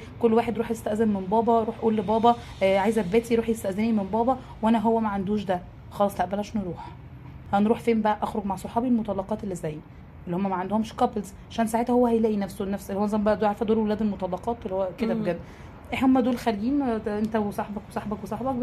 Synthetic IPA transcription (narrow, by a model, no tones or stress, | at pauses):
kolːwaːħed̪ɾuːħjest̪æʔzenmenbɑːbɑɾˤuːħʔuːlːebɑːbɑ | ʕaːjzʔæbːæːt̪iɾuːħjest̪æʔzenimenbɑːbɑ | wʔænæɦowːæmæʕand̪uːʃd̪æ | xɑlɑsˤlæʔbælæʃneɾuːħ | hænɾuːħfæːmbæʔæʔæxɾoɡmaʕsˤɑħɑːbilmot̪ˤɑlːɑqɑːt̪elːizæːj | ʔelːihomːæmæʕand̪ohomeʃkɑpelzʕaʃæːnsaʕet̪hæhowːæhæjlæːʔinæfsonæfsʔelːihowænzˤɑmbæʔæd̪oʕaɾefhæd̪oːɾwelæːd̪elmot̪ˤɑlːɑqɑːt̪ʔelihowːæked̪æbɡæb | ʔeħhomːæd̪oːlxæɾɡiːnʔent̪æwesˤɑħbɑkwesˤɑħbɑkwesˤɑħbɑk̚